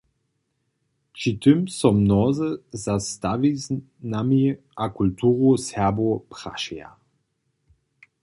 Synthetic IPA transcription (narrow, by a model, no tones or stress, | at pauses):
t͡ʃit̪əmsɔmnɔzəzast̪aviz | nami | akult̪ʰuːʁosɛbopʁ̥a̰ʃɛja̰